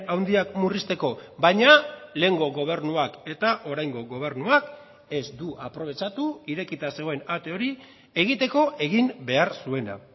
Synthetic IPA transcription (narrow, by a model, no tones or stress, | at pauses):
awnd̪iakmurist̪e̞ko̞bajɲale̞ːŋɡo̞ɣo̞β̞e̞rnuake̞t̪aʔo̞ɾajŋɡo̞ɣo̞β̞e̞ɾnuak | e̞zd̪uʔapɾo̞β̞e̞t͡ʃat̪uiɾe̞kit̪ase̞ɣo̞e̞nat̪e̞o̞ɾi | e̞ɣ̞it̪e̞ko̞ʔe̞ɣimbe̞aɾsue̞na̰